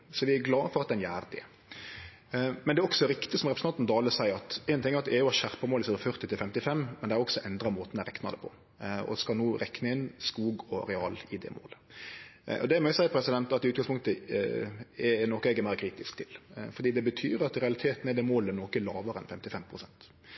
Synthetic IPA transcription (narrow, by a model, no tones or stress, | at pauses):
sɔʋɪæɾɡlɑːfɔʁɑt̪̚d̪ɛnjæːɾd̪ɛ̰ | mɛnɛæɾɔksɔɾɪkt̪ɪsɔmʁɛpɾəsnʰɑnt̪nd̪ɑːləsæɪɑt̪ɛɪnt̪ɪŋːæɾɑt̪d̪ɛɛɾjʊɑʃæʁpɑmoːlɪsɛːd̪fœɾt̪ɪt̪ɪlfɛmt̪ɪfɛmːmɛnɛæɾɔksɔʔɛnd̪ɾɑmoːt̪n̩æɾɛknɑd̪ɛ̰pʰɔ̰ | ɔ̰skɑlnuːɾɛknəɪnskuːɡɔɾɛɑːlɪd̪ɛ̰mo̰ːlə | ɔ̰d̪ɛmɔjʊsæɪəpʰɾɛsɪd̪ɛnt̪ɑt̪ːɪʉːt̪ɡɑŋspʊŋkt̪ə | ɛnɔkːəɛɡəmæɪɾkʰɾiːt̪ɪskt̪ʰɪlfɔɾd̪iːd̪ɛbət̪ʰyːɾɑt̪ɾɛɑlɪt̪ʰeːt̪nɛd̪ɛmoːləænɔkəɛlɑːʋəɾəɛnfɛmt̪ɪfɛmpʰɾʊsɛnt̪